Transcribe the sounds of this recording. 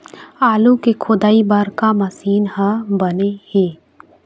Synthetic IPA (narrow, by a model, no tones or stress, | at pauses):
aːlũkekʰʊd̪aːibəɾkamɐsiːnɦəbəneheː